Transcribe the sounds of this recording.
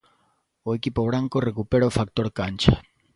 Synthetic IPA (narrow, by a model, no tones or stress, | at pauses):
oekipoβɾaŋkorekupeɾaofak̚t̪oɾkant͡ʃa